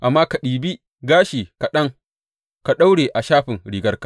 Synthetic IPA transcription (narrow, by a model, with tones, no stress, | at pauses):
ʔa˨mːaː˦ka˨ɗiː˨bi˦ | ɡaː˦ʃiː˨ka˨ɗɐ˦ŋ | ka˨ɗa˦wɽeː˨ʔa˨ʃaː˦ɸɪ˨ŋɽiː˨ɡɐ˦rka˨